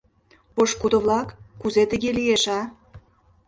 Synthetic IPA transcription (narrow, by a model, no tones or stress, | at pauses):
poʃkud̪ə̆βlɑkːuzet̪ə̆ɣelijeʃɑ